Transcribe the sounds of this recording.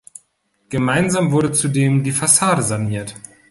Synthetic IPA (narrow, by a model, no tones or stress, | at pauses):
ɡ̥əmaɪnzaːmvʊɐɾət͡sudeːmdiːfasaːɾəzaniːɐt